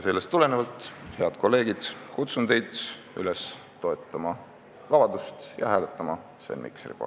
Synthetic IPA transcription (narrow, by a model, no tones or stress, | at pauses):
se̞lːest̪ːule̞nevɑlt̪ˑhe̞ɑd̪̥ko̞lːe̞ːɡ̥id̪̥kut̪sunt̪e̞jd̪̥ | y̰les | t̪ːo̞et̪ːˑɑmɑ | vɑb̥ɑd̪̥ust̪jɑ̰hæːlet̪ːˑɑmɑ | sḛnmḭkseɾḭpo̰r